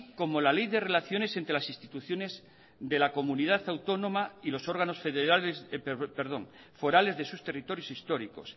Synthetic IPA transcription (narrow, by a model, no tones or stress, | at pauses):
ko̞mo̞lalejðe̞relaθjo̞ne̞se̞nt̪ɾe̞lasist̪it̪uθjo̞ne̞z | ðe̞lako̞munið̞aθawt̪o̞nõmailo̞so̞ɾɣano̞sfeðeɾalezpeɾðo̞̰ŋ | fo̞ɾale̞zðe̞sust̪e̞rit̪o̞ɾjo̞sist̪o̞ɾiko̞̰s